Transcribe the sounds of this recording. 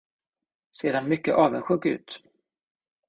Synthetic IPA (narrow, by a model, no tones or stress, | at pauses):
seːd̪anmʏkːə̰ʔɑːvənɧɵɡʉ̟̰ːt̪